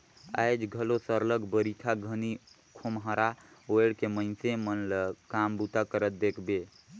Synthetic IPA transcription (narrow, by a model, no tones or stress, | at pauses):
a̰jd͡ʒɡʱəlosəɾləɡbəɾit̪ʰaɡʱəni | kʰomɦəɾaojɽkeməɪnsemənlkambut̪akəɾət̪̚d̪ekʰbe